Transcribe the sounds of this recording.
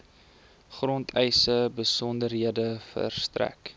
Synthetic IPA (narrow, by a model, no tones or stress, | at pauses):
χrɔntʰɛjsəbəsɔndərɦiədəfə̰rstræ̰k